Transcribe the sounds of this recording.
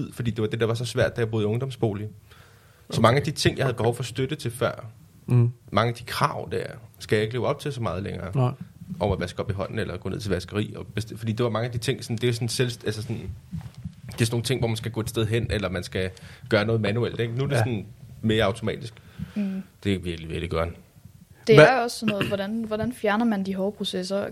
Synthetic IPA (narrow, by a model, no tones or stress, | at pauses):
t͡sʰið̰ˠfɒ̽d̥ḭːde̝ʋɑ̈d̥e̝d̥ɑ̈ʋɑ̈sɒ̽sʋæɐ̰d̥æjab̥o̝ðˠɔ̽ŋd̥ɒ̽msb̥o̝̰ːli | sɒ̽mɑ̈ŋəæd̥it͡sʰe̝ŋ̰jɑhæðˠb̥ehɒʊfɒ̽sd̥ød̥ət͡sʰe̝lfɶɐ̰ | mɑ̈ŋəæd̥i̥kʰʁɑ̈ʊ̰d̥æɐɐsɡ̥æjɑ̈e̝ɡ̥le̝ːʊɒ̽b̥̚t͡sʰe̝lsɒ̽mɑ̈ːð̞ˠleŋɐːʔɒʊ̰æʋæsɡ̥ɒ̽b̥iɦɒ̽n̰n̩elɐɡ̥ɔ̰ːneð̰ˠt͡sʰeʋæsɡ̥ɐʁḭːɒ̽b̥esefɒ̽d̥ḭːde̝ʋɑ̈mɑ̈ŋəæd̥it͡sʰe̝ŋ̰sɒ̽nd̥e̝sɒ̽nselsælsəsɒ̽n | d̥e̝sno̝ːŋ̩t͡sʰe̝ŋ̰ʋɒ̰mænsɡ̥æɡ̥ɔ̰e̝d̥sd̥eð̞ˠɦen̰elɐmænsɡ̥æɡ̥ɶːɐnɔ̽ːð̞̩ˠmænuel̰d̥eɡ̥nuæd̥e̝sɒ̽n̩me̝ːɐɑ̈ʊt͡sʰo̝mɛ̰ːd̥isɡ̥ | d̥e̝ʋiɐɡ̥liʋel̥iɡ̥ɶɐn | d̥eɐɒ̽sːnɔ̽ːð̩ˠʋɒdænʋɒɾ̥ænfjæɐnɐmænd̥iɦɒʊpʰʁo̝sesɐ